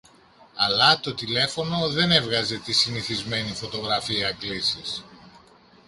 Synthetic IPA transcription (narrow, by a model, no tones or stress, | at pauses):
ɐlɐt̪o̞t̪ile̞fo̞no̞ðe̞ne̞vɣɐze̞t̪isiniθizme̞nifo̞t̪o̞ɣɾɐfiɐklisis